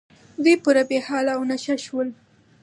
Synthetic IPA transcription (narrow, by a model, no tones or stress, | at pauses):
wepuɾabehɑlawnaʃaʃwəl